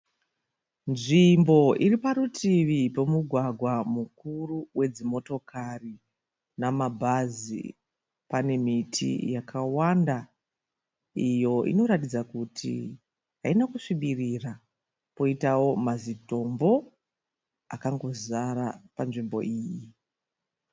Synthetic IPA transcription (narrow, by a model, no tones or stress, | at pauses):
nʐimbo̞ʔiripaɾutʰiʋipo̞muɡʱwaɡʱwamukuruwʔe̞d͡zimo̞to̞kari | namabʱazḭ | pane̞mitʰḭjakʰawanda | ijo̞ʔḭno̞ɾatid͡zakutʰḭ | ɦainakuʂiɓirira | po̞itawo̞mazito̞mbo̞ | akaŋɡo̞zaɾapanʐimbo̞̰ʔiːji